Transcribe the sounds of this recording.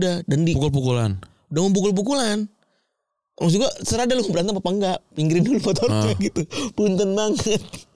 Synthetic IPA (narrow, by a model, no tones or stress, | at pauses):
dadandipukʊlpukula̰n | udaŋənp̬ukʊlp̬ukulan | ʔa̰ŋs̬uɡuasəɾadalʊŋbəɾant̪aŋpapaŋɡaʔpiŋɡɾɪnulupɔt̪ɔrɲaɡit̪upunt̪ənmaŋət̪̚